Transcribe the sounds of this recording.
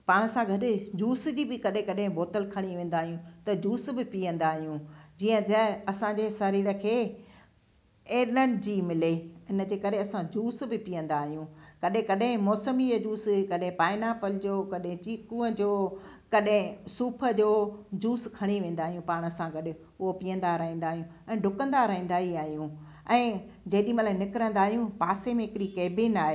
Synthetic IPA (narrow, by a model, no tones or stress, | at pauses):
paːɽ̃əsãɡʱɐɗɪd͡ʑuːsd͡ʑiːbɪkɐɗɦẽkɐɗɦɪ̃boːt̪əlkʰɐɽ̃iʋẽːnd̪aːɦijũt̪ɐd͡ʑuːsbɪpiə̃nd̪aːɦijũd͡ʑiːə̃t̪ɐɐsãɲd͡ʑeːsɐɾiːɽəkʰeː | eːɗənd͡ʑiːmɪleɪnə̆d͡ʑeːkɐɾeɐsãd͡ʑuːsbɪpijə̃nd̪aːɦijũkɐɗɦɪ̃kɐɗɦɪ̃mɔːsəmijad͡ʑuːskɐɗɦɪ̃paːɪnapəld͡ʑoːkɐɗɦɪ̃t͡ɕiːkũːə̃d͡ʑoː | kɐɗɦɪ̃suːpʰə̆d͡ʑoːd͡ʑuːskʰɐɽ̃eʋẽːnd̪aːɦijũpaːɽ̃əsãɡɐɗɪ | ʊɦopijə̃n̆d̪aɾɐɦĩːnd̪aːɦijũɛ̃ːɖʱʊkə̃nd̪aɾɐɦĩːnd̪aːɦiaːɦijũ | ɛ̃ː | d͡ʑɐːɗĩmɐlaːẽnɪkɪɾə̃nd̪aːɦijũpaːsemẽɦɪkɪɾikeːbɪnaːɦeː